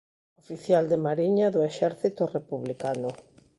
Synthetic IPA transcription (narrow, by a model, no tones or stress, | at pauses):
ofiθjald̪emaɾiɲaðʊeʃɛɾθit̪ʊrepuβlikanʊ